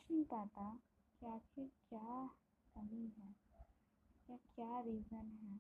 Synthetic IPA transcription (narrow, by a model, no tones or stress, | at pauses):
ʃnẽĩpaːt̪akiaːkʰekjaː | kɐmiɦɛː | jakjaːɾiːzənɦɛː